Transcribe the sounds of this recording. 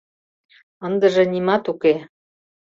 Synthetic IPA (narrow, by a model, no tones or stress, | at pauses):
ənd̪ə̆ʒɤ̆nimɑt̪uke